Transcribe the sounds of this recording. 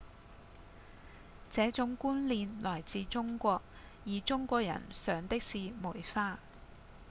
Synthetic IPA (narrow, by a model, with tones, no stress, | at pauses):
t͡sɛː˨˥t͡sʊ˨˥ŋkuː˥nliː˨˧nlɔː˨˩jt͡siː˨˧t͡ʃʊ˥ŋkʷɔː˧k̚ | jiː˨˩t͡ʃʊ˥ŋkʷɔː˧k̚jɐ̰˨˩nsœː˨˧ŋt̪ɪ˥k̚siː˨˧muː˨˩jfaː˧